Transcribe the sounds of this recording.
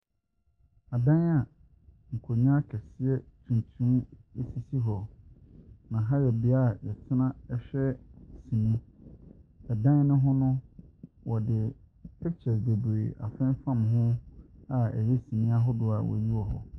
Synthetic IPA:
a˨dã˦a˨ | ŋ̩˨kʰo˨ɲã˦kʰɛ˨sɪ˦ɛ˦tʰũ˨n˨tʰũ˦me˨si˦si˦ɦɔ˨ | nã˨ɦa˦jɛ˨bɪ˨a˦˨jɛ˨tʰɪ˦nã˦ɛ˦ɕᶣɛ˦sĩ˨nĩ˦ | ɛ˨dã˦n˦nʊ̃˦ɦʊ̃˦nʊ̃˦ | wʔɔ˨dɪ˨ | ɛ˦t͡ɕʰɛ˨sbe˨bee˨ʔa̰˨fɛ̃˦m˦fã˦˨mɦʊ̃˦a˨ɛ̰˨je˦sĩ˨nĩ˦a˦ɦɔ˦dʊ˨a˨wɔ̰˨ji˦ɔ˨ɦɔ̰˨

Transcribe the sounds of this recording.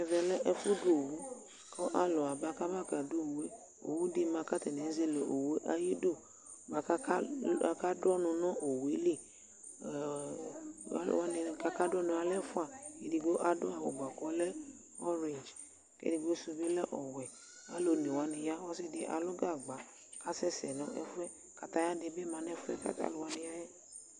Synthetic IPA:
ɛ˧vɛ˧lɛ˦ʔɛ˧fu˦du˦o˨wu˨˦ | kɔ˦ʔa˦lɔ˨a˨ba˨˦ka˦ba˦˨ka˨du˦˨we˦ | o̰˨wu˦di˦mã˧ka˦tɛ˨nɛ̃˨˦ze˧˦le˨ʔo˨we˨˦ʔa˧ji˦do˦˨ | ɡ͡ba˨ka˦kka˦dɔ˦nũ˧nã˦ʔo˨we˨˦li˦˨˦ | wa˦nĩ˧ka˦ka˦dɔ˦nũ˧a˧lɛ˦fu˦a˦˨ke˨di˧ɡo˦ʔa˦dʊ˦a˨wo˨ɡ͡ba˨kɔ˨˦lɛ˦ | ɔ˦ɾe˨nd͡ʒ | kḛ˦di˧ɡo˦su˧bi˦lɛ˦ʔɔ˨wɛ˨ | a˦lo˧nĩ˨wa˨nĩ˧ja˦wa˦si˦˨de˧˦ʔa̰˧lɔ˦ɡa˦˨ɡ͡ba˨ | ka˦sɛ˦sɛ˨nɔ̃˨˦ʔɛ˦fɛ˦ | ka˨ta˧ja˦de˧˦bi˦mã˨˧nɛ˦fɛ̰˦ka̰˦ka̰˦lu˧wa˧nĩ˧ja˦jɛ˦

